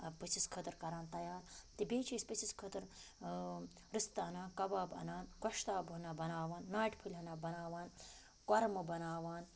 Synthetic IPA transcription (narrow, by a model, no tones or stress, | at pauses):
pɨsiskʰɐt̪ɐɾkɐɾaːnt̪ɐjaːɾt̪ibʲeːt͡ʃʰispɨsʰiskʰɐt̪ɐɾ | ɾɨst̪ɐɐnaːnkɐbaːbɐ̰naːnkɐʃt̪aːbɦɐnaːbɐnaːʋaːnːaːʈʲpʰɨlʲɦɐnaːbɐnaːʋaːn | kɐɾɐmɐbɐnaːʋaːn